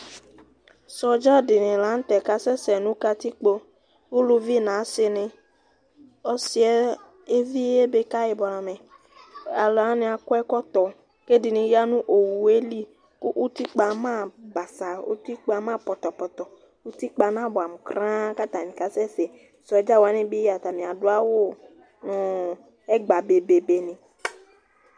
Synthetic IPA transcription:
sɔ˨d͡ʒɔ˦dɪ˨nɪ̃˨la˨˦n̩˦t̪ɛ˨ka˦sɛ˦sɛ˨nũ˦ka˦t̪i˦k͡po˦ | wu˦lu˦vi˦nã˨˦se˨nɪ̃˨ | ɔ˦si˦ɛ˦ | e˦vi˦e˦be˦ka˦je˨bɔ˨la˨me˨ | a˨lɔ˨a˨˦nẽ˨a˨kɔ˦ɛ˦kɔ˦t̪ɔ˨ | ke˦di˨nĩ˨ja˦nũ˦ʔo˨wu˨e˦li˦ | ku˦ʔu˦t̪i˦k͡pa˧mã˦˨ba˨sa˨ṵ˦t̪i˦k͡pa˧mã˦pɔ˨t̪ɔ˨pɔ˨t̪ɔ˨ | u˦t̪i˦k͡pa˧nã˦bɔ˨a˨m̩˨kɾã˦ka˦t̪a˨nĩ˨ka˨sɛ˦se˨ | sɔ˨ɛ˨˦d͡ʒa˦wa˨˦nẽ˦bi˦a˨t̪a˨mĩ˨a˨du˦a˦wo˦ | nʊ̃˨˦ | ɛ˦ɡ͡ba˨be˨be˨be˨nĩ˨

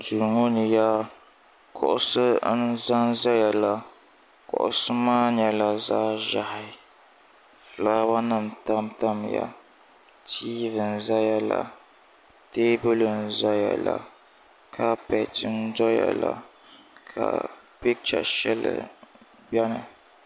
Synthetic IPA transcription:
du˨ɾŋo˦nɨ˨ja˦ | kʰɔ˨ʔʊ˦sɨ˦n̩˦za˦nza˦ja˨la˨ | kɔ̰˨ʔʊ˨sɨ˦maː˦ɲɛ˨la˨zaː˦ʒa˨hɪ˨ | flaː˦ba˦nɨ˦m̩˨ta˦mta˦mja̰˨ | tʰiː˦vɨ˨n̩˨za˦ja˨la˨ | te˦bɨ˦lɨ˨n̩˨za˦ja˨la˨ | kʰa˦pɛ˨tɪ˦n˦dɔ˦ja̰˨la˦ | kʰa̰˨ | pi˦k̚t͡ʃa̰˨ʃɛ˦lɨ̰˨ | bɛ˦nɨ̰˨

